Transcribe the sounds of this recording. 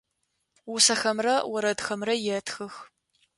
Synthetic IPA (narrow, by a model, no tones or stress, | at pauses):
wʊsɐxɐmrɐwɔɾɐdxɐmrɐjɛtxɨx